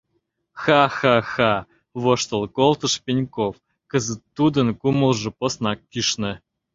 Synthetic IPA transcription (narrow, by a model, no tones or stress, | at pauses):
xɑxɑxɑ | βoʃt̪ə̆lˠkolˠt̪ə̆ʃpʲenʲkof | kəzə̆t̪ːud̪ə̆nkumə̆lˠʒɤ̆posnɑkːiʃnɘ̆